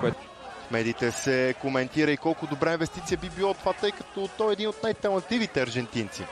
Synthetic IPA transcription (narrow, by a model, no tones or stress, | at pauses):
koɛt̪ | mɛd̪iːt̪ɛsɛkomɛnt̪iɾəikɔlˠkʊd̪obɾainvɛst̪it̪sijəbibilˠɔt̪ovat̪ɤjkə̥t̪ɔt̪ɔjɛd̪inot̪̚najt̪ɛlˠɐnt̪livit̪ɛɐɾʒɛnt̪int̪sḭ